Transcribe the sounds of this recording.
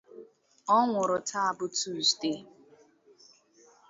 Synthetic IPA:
ɔ˦ŋʷʊ˨ɾʊ˨tʰa˦a˨bʊ˦tu˦˨ste˦

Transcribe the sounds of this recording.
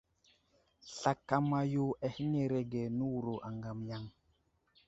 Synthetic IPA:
ɬa˨kːa˦mːa˦jo˦a˨hi˦ŋe˨ɾe˨ɡe˨nu˦wu˨ɾo˨ʔa˨ŋɡa˨mja˦ŋ

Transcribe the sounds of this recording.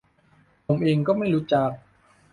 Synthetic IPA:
pʰo˩˦mʔeː˧ŋkɔː˥˩ma˥˩jɾuː˦˥t͡ɕa˨˩k̚

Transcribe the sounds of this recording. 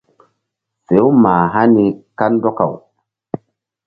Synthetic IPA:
se˨˦wma˨ɦa˦ni˨ka˦ndɔ˦ka̰˨w

